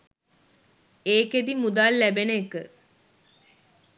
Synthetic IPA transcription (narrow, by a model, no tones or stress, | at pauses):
eːked̪imud̪aːlːæbenəekə